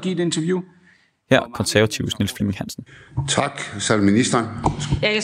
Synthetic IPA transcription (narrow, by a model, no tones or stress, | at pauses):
ɡ̥ḭːd̥e̝nt͡sʰɐʋju | hæɐ̰kʰɒ̽nsæɐʋæt͡sʰiʊsnelsfimeŋhæn̰sn̩t͡sʰɑ̈ɡ̥sælminisd̥ɐn